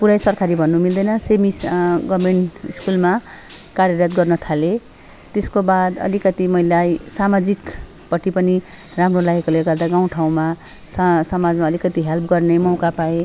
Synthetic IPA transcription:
puɾajsʌrkʰaɾibʱʌnːumild̪ʌjnʌsemisɡʌmeɳʈḭskulma | kaɾjʌɾat̪̚ɡʌrnʌt̪ʰale | t̪eskobad̪ʌ̰likʌt̪imʌilajsamad͡zik | pʌʈːipʌni | ramrolaɡekoleɡʌrd̪aɡaw̃ʈʰaw̃ma | ssʌmad͡zmaʌlikʌt̪iɦelpɡʌrnemʌw̃kapae

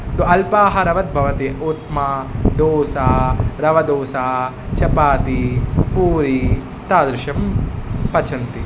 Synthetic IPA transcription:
t̪uɐlpaːɦɐɾɐʋɐt̪̚bʱɐʋɐt̪iut̪mad̪oːsaːɾɐʋɐd̪oːsaː | t͡ʃɐpaːt̪ipuːɾi | t̪aːd̪ɾuʃɐmpɐt͡ʃʰɐnt̪i

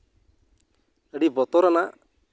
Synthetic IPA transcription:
əɖibɔt̪ɔɾana

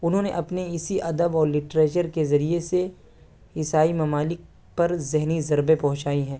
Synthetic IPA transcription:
ʊnɦõːneʔɐpneɪsiʔɐd̪əbɔːɾlɪʈɾeːt͡ʃəɾkezɐɾiese | ɪsaːimɐmaːlɪk̚ | pɐɾzɪɦnizɐɾbepɐɦʊ̃t͡ʃaːiɦɛ̃ː

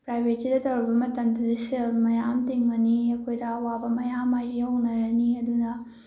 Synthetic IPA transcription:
pɾajbʱetidɐtɐwɾɐbɐmɐtɐmdɐdiselmɐjamtiŋɡɐniɐkʰojdɐːwabɐmɐjamajijɐwnɐɾɐniɐdunɐ

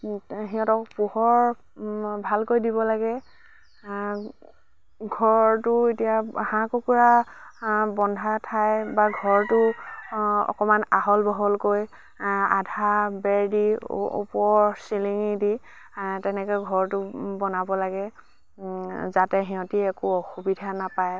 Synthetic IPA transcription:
ɦiɔ̃tɔkpuhɔɹ | bʱalkojdibɔlaɡɛ | ɡʱɔɹtʊetijahãkokuɹa | bɔndʱatʰajbaɡʱɔɹtʊ | ɔ̰kɔmanaɦɔlbɔɦɔlkoj | a̰dʱabɛɹdiṵpɔɹsiliŋidi | tɛnɛkɔjɡʱɔɹtʊbɔnabɔlaɡɛ | zatɛɦiɦɔ̃tiɛkʊɔxubidʱanapaj

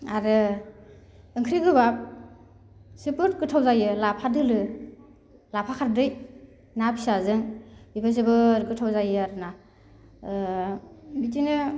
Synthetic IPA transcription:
aɾɯ | ɯŋkʰɾiɡɯbap̚ | sɯpɯɾtkɯtʰawzajɯlapʰadɯlɯ | lapʰakʰaɾdɯj | napʰi̥sazɯŋbibʰas̬ɯbɯɾɡɯtʰawzajɯaɾɯna | bitinɯ

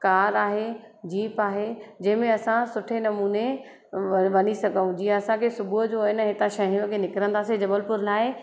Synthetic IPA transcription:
kaːɾaːɦed͡ʑiːpaːɦed͡ʑɐ̃ɦɪ̃mẽɐsãsʊʈʰenɐmuːne | ʋɐnisɐɡʱəũd͡ʑiːãɐsãkʰesʊbʱuɦd͡ʑoɪnəɦet̪ãʃɐɦĩjõkʰenɪkɾə̃nd̪aːsed͡ʑɐbəlpʊɾlaːɪ

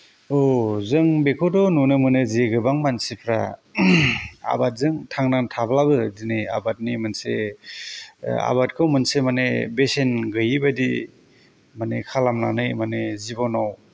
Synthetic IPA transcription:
ɔzɯŋbekʰodɔnunɯmɯnɯziɡɯbaŋmansipʰɾa̰ | a̰bat̚zɯŋtʰaŋnantʰablabɯdinɯja̰bat̚nimɯnsḛ | a̰bat̚kʰɯwmɯnsemanḛbesenɡɯjibadi | manekʰalamnanɯjmanezibɔnaw

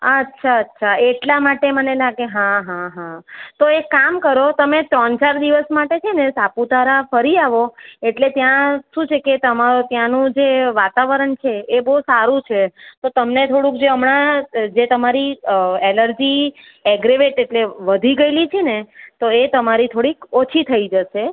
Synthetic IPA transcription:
ətːʃʰaətːʃʰaeʈlamaʈemənelaɡeɦãɦãɦãt̪oekamkəɾot̪əmet̪ɾɔ̃nt͡ʃaɾd̪iʋəsmaʈet͡ʃʰenesaput̪aɾafəɾiaʋoeʈlet̪jãʃũt͡ʃʰeket̪əmaɾot̪jãnũd͡ʒeʋat̪aʋəɾəɳt͡ʃʰeːbəɦusaɾũt͡ʃʰet̪ot̪əmnet̪ʰoɽũkd͡ʒeəmɳad͡ʒet̪əmaɾieləɾd͡ʒi | ɛɡɾeʋeʈeʈleʋəd̪ʱiɡəjlit͡ʃʰenet̪oet̪əmaɾit̪ʰoɽikot͡ʃʰit̪ʰəid͡ʒəʃe

